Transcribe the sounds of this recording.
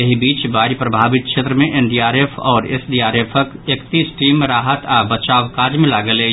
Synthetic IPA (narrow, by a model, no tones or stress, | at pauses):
ɐɦibiːt͡ʃbaːɾipɾɐbʱaːʋɪt̪̚kʰʃeːt̪ɾəmẽʔenɖiːaːɾeːpʰɔːɾḛsɖiːaːɾeːpʰəkeːkt̪iːsʈiːmɾaːɦət̪abɐt͡ʃaːʋkaːd͡ʒmẽlaːɡəleː